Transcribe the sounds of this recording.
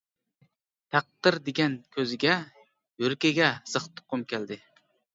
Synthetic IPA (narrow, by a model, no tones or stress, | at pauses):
t̪ʰɑq̚d̪̥ɨɾd̪eɡʲankʲʰɵzɪɡʲa | jɵɾkʲaɡʲasɨχt̪ʰʊ̥qːʊmkʲʰeld̪ɪ